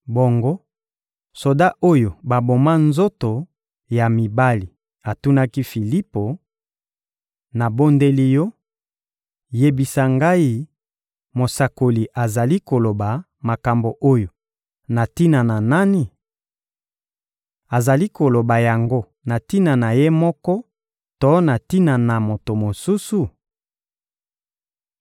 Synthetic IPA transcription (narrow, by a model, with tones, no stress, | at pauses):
bo˨ŋɡo˦ | so˨da˦ʔo˦jo˨ba˨bo˨ma˦nzo˦to˨ | ja˨mi˨ba˦li˨ | a˨tu˦na˦ki˦fi˨li˦po˨ | na˨bo˦nde˦li˦jɔ˦ | je˦bi˨sa˦ŋɡa˦i˦ | mo˨sa˨ko˨li˨ʔa˨za˨li˦ko˨lo˨ba˨ | ma˨ka˨mbo˨ʔo˦jo˨ | na˨ti˦na˨na˨na˦ni˨ | a˨za˨li˦ko˨lo˨ba˨ja˨ŋɡo˦ | na˨ti˦na˨na˨je˦mɔ˦kɔ˦ | to˦na˨ti˦na˨na˨mo˨to˨mo˨su˦su˨